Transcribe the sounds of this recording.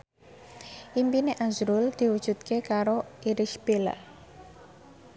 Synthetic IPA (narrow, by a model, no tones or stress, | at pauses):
ʔimpineʔazɾuld̪̥i̤wud̥ʒ̥ṳt̪̚kekaɾoiɾiʃbil